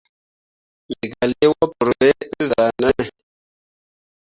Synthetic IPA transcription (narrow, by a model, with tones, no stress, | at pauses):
li˨ɡa˨li˦wɔ˦pu˨ɾbe˦za˨na˦˨